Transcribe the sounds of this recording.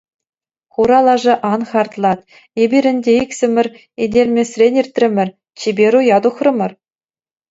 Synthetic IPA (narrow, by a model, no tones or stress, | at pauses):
χuɾɑlˠɑʐɤ̆ʔɑnχɑrt̪lˠɑt̪ | ebʲiɾʲɘ̆nʲdʲeiksʲɘ̆mʲɘ̆rʲ | edʲelʲmʲesʲrʲenʲirʲt̪ʲrʲɘ̆mʲɘ̆r | t͡ɕebʲeɾujɑd̪uχrɤ̆mʲɤ̆r